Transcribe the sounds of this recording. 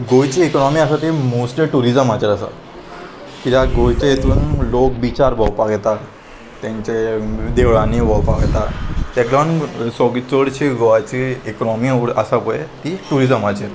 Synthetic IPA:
ɡojt͡ɕiekɔnɔmiasat̪imosʈeʈuɾizəmat͡ɕeɾəsa̰ | kit̪aɡojt͡ɕeet̪uːnlok̚bit͡ɕaɾbʱɔwpaɡet̪aɾ | t̪ãɲt͡ɕed̪eʋɭanibʱɔwpaɡt̪aɾt̪eklɔnsɔɡt͡soɽt͡ɕiɡoat͡ɕiːkɔnɔmioɾasapɔjet̪iʈuɾizəmat͡ɕeɾ

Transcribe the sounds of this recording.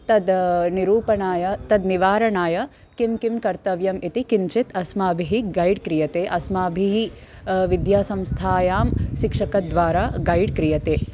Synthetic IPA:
t̪ɐd̪niɾuːpɐɳaːjɐt̪ɐd̪niʋaːɾɐɳaːjɐ | kimkimkɐɾt̪ɐʋjɐmit̪ikint͡ʃit̪ɐsmaːbʱiɦiɡɐjɖkɾijɐt̪eːʔɐsmaːbʱiɦi | ʋid̪jaːsɐmst̪ʰaːjaːmʃikʂɐkɐd̪ʋaːɾaːɡɐjɖkɾijɐt̪eː

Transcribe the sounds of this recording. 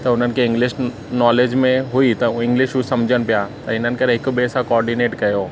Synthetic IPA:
t̪ɐʊn̤ənɪ̆kʰeɪ̃ŋɡlɪʃ | nɔːleːd͡ʑmẽɦuit̪ɐɪ̃ŋɡlɪʃɦusɐmd͡ʑʱənɪ̆pijat̪ɐɪn̤ənɪ̆kɐɾɦɪkbesãkɔːɾɖineːʈkɐjoː

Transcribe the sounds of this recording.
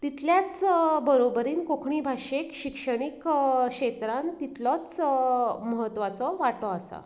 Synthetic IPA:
t̪it̪ʰljat͡sbəɾobəɾiːnkokʰɳiːbʱaʂekɕikʂəɽ̃ikɕet̪ɾant̪it̪lɔt͡s | məɦət̪ːʋat͡sɔʋaʈɔasa̰

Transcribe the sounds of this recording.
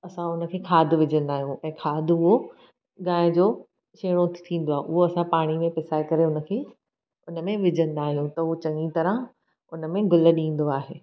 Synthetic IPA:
ɐsãʊnə̆kʰeːkʰaːd̪ʱʋɪd͡ʑə̃nd̪aːɦijũʔɛ̃ːkʰaːd̪ʱʊɦo | ɠãːɪ̃d͡ʑoː | ʃeːɽ̃ot̪t̪ʰĩːn̆d̪oaːɦeʔʊɦoɐsãpaːɽ̃imẽpɪsaːekɐɾeʊnə̆kʰeː | ʊnə̆mẽʋɪd͡ʑʱə̃nd̪aːɦijũt̪ɐɦot͡ɕɐ̃ŋit̪ɐɾə̃ | ʊnə̆mẽɡʊlə̆ɗĩːn̆d̪oaːɦeː

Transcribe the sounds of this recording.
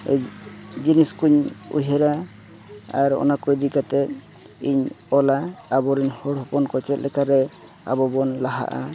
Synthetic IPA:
d͡ʒiniskuɲṵɦɛɾa | a̰ɾɔ̰nakɔjd̪ikat̪ɛ | iɲɔlaːbɔɾinhɔɽɦɔpɔnkɔt͡ʃɛt̪lɛkaɾɛ | a̰bɔbɔnlaɦa̰ʔa̰

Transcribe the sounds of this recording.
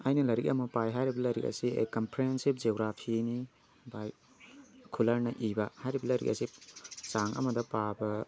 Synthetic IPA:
ɐjnɐlɐɾik̚ɐmɐpajɦajɾibɐlɐɾik̚ɐ̰siḛkɐmpɾeensib̚d͡ʒeɡɾapʰini | baj | kʰulɐɾnɐʔibɐhajɾibɐlɐɾḭk̚ɐ̰sisaŋɐ̰mɐdɐpabɐ

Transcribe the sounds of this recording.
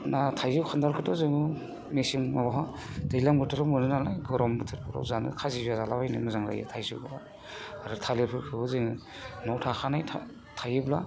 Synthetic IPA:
natʰajzɯwkʰandaɾkʰɯtɔzɯŋɯ | mesiŋmabaɦa | d̥ɯjlaŋbɯtʰɯɾɔmɯnɯnalajɡɔɾɔmbɯtʰɯɾpʰɯɾɔ̰wzanɯ̰kʰazizazalabajnɯ̰mɯzaŋɾa̰jɯ̰tʰajzɯ̰wba | aɾɯtʰaleɾpʰɯɾkʰɯbɯzɯŋɯnɔwtʰaxanajtʰa | tʰajɯbla̰

